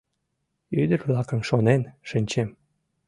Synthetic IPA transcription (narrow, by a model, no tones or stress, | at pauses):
yd̪əɾβlɑkə̆mʃonenʃənʲt͡ɕem